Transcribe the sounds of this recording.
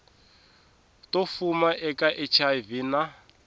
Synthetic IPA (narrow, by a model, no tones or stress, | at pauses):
tofumaʔɛkʼaʔɛt͡ʃʰavina